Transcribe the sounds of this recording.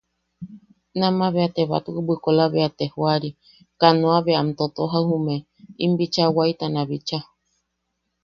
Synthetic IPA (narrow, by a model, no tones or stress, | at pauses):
nãmãβeat̪eβa̰t̪ubɨkolaβeat̪ehoaɾi | kanõaβeamt̪ot̪oɦahume | imbit͡ʃawait̪anãβit͡ʃa